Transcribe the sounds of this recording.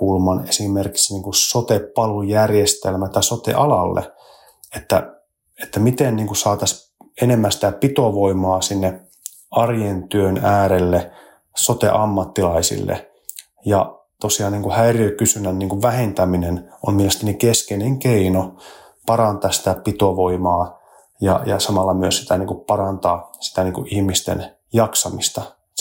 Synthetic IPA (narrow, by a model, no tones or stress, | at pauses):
ulmɑnesimerki̥ksniːŋkusot̪epːɑlujærjest̪elmæt̪æsot̪ḛʔɑlɑlːḛ | et̪ːæ | et̪ːæmit̪enniːŋkusɑːt̪ɑs | enemːænsi̥t̪æpit̪oʋoimɑːsinːe | ɑrjent̪yønæːɾelːe | sot̪ḛʔɑmːɑt̪ːilɑisḭlːḛ | jɑ | t̪osiɑːnniːŋkuhæiriøikysynænniːŋkuʋʋæhent̪æmineno̰mmielest̪ænikeskeneŋkeino | pɑrɑnt̪ɑssi̥t̪æpit̪oʋoimɑː | jɑ̰jɑ̰sɑmɑlːɑmyøssi̥t̪æniːŋkuppɑrɑnt̪ɑːsi̥t̪æniːŋkuʔihmist̪ḛn | jɑksɑmist̪ɑ